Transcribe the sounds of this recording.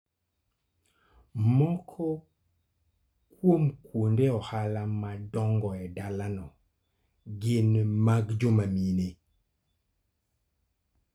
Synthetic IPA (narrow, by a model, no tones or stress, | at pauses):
mɔkʰɔ | kwomkwondɛɔhalamadɔŋɡɔɛdalanɔ | ɡɪnmaɡd͡ʒomamine